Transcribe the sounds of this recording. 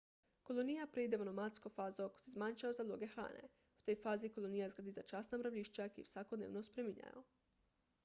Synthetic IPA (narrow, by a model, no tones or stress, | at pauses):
kolonijapɾeid̪eonomat̪skofaːzoko̥sezmaɲʃaozad̪lˠoːɡexɾa̰ːnḛ | u̥t̪o̞jfaːzikolˠonijazɡlad̪izat͡ʃasnamɾaʋʎʲiʃt͡ɕakḭwsʋakod̪neːʋnospɾemiɲa̰jo̰